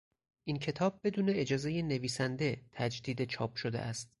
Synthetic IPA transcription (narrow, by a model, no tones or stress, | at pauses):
ʔincʰe̞t̪ʰɒːb̚ːe̞d̪uːne̞ed͡ʒɒːzejene̞viːsænd̪e̞t̪ʰæd͡ʒd̪iːd̪e̞t͡ʃʰɒːpʃo̞d̪e̞̰ʔæst̪̚